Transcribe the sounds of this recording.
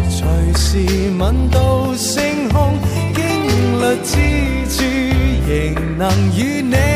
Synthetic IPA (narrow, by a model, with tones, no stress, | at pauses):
t͡ʃʰɵ˨˩ɥsi˨ | mɐ˨nt̪o˧w | sɪ˥ŋɦʊ˥ŋ | kɪ˥ŋ˨lɵ˨˧t̚t͡siː˥ | t͡ʃy˧jɪ˨˩ŋ | nɐ˨˩ŋjyː˨˧ne˧